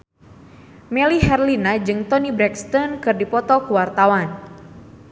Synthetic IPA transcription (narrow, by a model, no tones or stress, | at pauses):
mɛliɦɛrlinad͡ʒɨŋt̪ɔnibɾɛkst̪ɔnkɨrdipɔt̪ɔkuwart̪awan